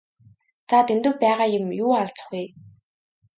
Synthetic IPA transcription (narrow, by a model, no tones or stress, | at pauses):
t͡sʰat̪ʰent̪ɵ̆wpæːʁaːjʊ̆mjuːaɮt͡sə̆χɡuj